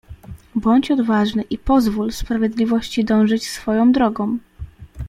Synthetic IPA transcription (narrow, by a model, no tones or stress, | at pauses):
bɔɲt͡ɕɔd̪vaʐnɘʔipɔzvulspɾavʲjɛd̪lʲivɔɕt͡ɕid̪ɔ̃w̃ʐɘt͡ɕsfɔjɔ̃w̃d̪ɾɔɡɔ̃w̃